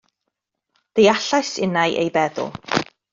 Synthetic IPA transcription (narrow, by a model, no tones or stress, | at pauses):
d̥ejaɬajsɪ̰najʔḛjbɛðʊ̰lˠ